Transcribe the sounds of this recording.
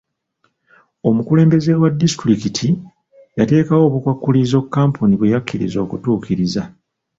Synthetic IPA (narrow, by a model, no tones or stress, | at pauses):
o̞mukule̞ːmbe̞ze̞wadːisi̥tuɾikitʰi | jate̞ːkawo̞ːβukwakːulizo̞kːaːmpuniβwejakːiɾḭzo̞̰ːkutuːkiɾiza